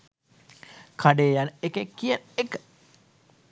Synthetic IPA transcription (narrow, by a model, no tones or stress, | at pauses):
kʰaɖeːjanəekekːijənekə̥